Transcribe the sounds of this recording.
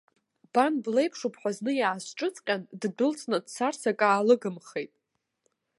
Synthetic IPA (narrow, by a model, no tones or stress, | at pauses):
b̥anble̞jpʰʂupʰħʷᶣaznɨjaːsʈ͡ʂʼɨt͡sʼqʲʼanddɨlt͡sʰʼnadt͡sarsakʼaːlɨɡɨmχejtʼ